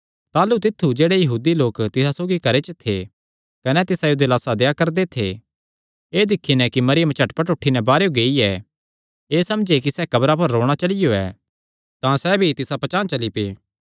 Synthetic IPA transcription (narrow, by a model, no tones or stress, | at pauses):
t̪aːlut̪ɪt̪ʰːud͡ʒeːɽejɐɦuːd̪iloːkt̪ɪsasoːɡikɐɾet͡ʃət̪ʰe | kɐnɛt̪ɪsajod̪elaːsad̪ejakɐɾd̪et̪ʰḛ | eːd̪ɪkʰːinɛ̃kimɐɾɪjə̃mt͡ʃʰɐʈpɐʈʊʈʰːinɛbaːɾejoɡeːiɛ | eːsɐmd͡ʒekisɛkɐbɾap̬ɐɾːoːɽ̃at͡ʃɐlɪjoɛ̰ː | t̪ãsɛbʱit̪ɪsapɐt͡ʃãːt͡ʃɐlipeː